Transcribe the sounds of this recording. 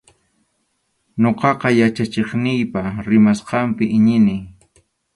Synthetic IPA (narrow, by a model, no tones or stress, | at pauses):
ɲoqɑqɑjat͡ʃat͡ʃeχnɪjpaɾɪmasqɑmpɪʔɪɲɪnɪj